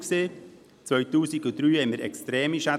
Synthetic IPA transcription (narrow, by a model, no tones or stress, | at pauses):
kseː | t͡svœɥt̪uːsiɡud̪ɾyːhɛməɾɛkstɾɛːmiʃa